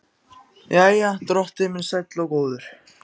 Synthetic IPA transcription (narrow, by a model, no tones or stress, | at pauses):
jajat̪ɾɔht̪ɪmɪnsajt̪lɔwkoːwðʏɾ̥